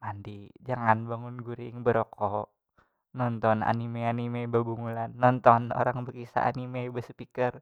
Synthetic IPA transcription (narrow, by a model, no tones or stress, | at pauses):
mandid͡ʒaŋanbaŋunɡuɾɪŋbəɾokɔ | nɔnt̪ɔna̰nimeanimebəbuŋulanːɔnt̪ɔno̰ɾaŋbəkisa̰ʔa̰nimebəsə̥pikər